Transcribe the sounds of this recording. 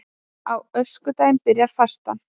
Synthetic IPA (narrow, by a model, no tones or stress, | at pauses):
awœskʏt̪aːjɪmpɪɾjaɾ̥fḁst̪a̰n